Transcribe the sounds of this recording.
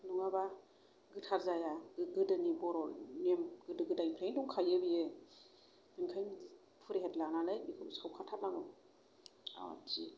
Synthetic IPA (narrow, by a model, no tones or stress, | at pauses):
nuŋaba | ɡɯtʰaɾzajaɡɯdɯnibɔɾɔlmemɡɯdɯɡɯdajnpʰɾajnduŋkʰajɯbije | ɡɯnkʰajm | pʰɯɾeɦetlananɯjmikʰɯsawkʰatʰat̚naŋɔ | a̰d͡ʒḭ